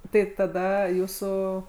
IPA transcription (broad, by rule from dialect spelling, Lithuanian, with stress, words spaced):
ˈtɐɪ tɐˈdɐ ˈjuːsuː